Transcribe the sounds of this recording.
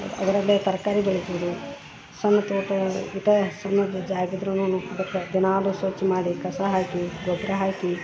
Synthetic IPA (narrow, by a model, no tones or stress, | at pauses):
ɐ̰ʋɐɾɐlːet̪ɐɾkaːɾibeɭit̪ind̪i | sɐnːɐt̪oːʈɐit̪esɐnːɐd͡ʒ̪ɐd͡ʒaːɡid̪ɾɐnːunuːkb̪ɐkːed̪inaːlusoːt͡ʃːimaːɽikɐsaɦaːkiɡobɾɐɦaːki